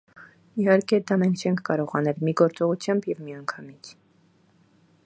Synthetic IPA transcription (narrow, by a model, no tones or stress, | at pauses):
ihɑɾkɛd̪ɑmɛŋkʰt͡ʃʰɛŋkʰkɑɾɔʁɑnɛlmiɡɔɾt͡sɔʁut͡sʰjɑmbjɛvmiɑŋkʰɑmit͡sʰ